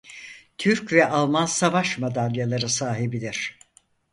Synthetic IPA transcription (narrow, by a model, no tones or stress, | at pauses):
t̪ʰyɾcvɛʔalˠmansavaʃmad̪alʲjalˠaɾɯsaːɦibid̪iɾ̥